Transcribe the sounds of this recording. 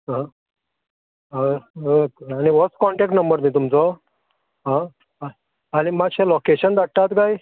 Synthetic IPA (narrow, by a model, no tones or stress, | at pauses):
ã | añiʋɔskɔɳʈɛk̚ʈnəmbəɾnĩt̪umt͡sɔ | ɦã | animaɕelokeɕənd̪aʈat̪ɡaj